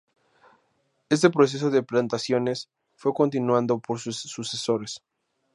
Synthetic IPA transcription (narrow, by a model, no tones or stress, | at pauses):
e̞s̬t̪e̞pɾo̞s̬e̞s̬o̞ðeplant̪asjo̞ne̞s | fwe̞ko̞nt̪inwãnd̪o̞po̞ɾsussuseso̞ɾes